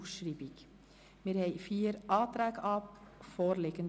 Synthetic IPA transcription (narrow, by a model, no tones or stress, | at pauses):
ʃɾiːbik | mɪːɾhɛɪfiːəɾʔɑːt̪ɾæːɡəʔɑːpfɔːɾleɡən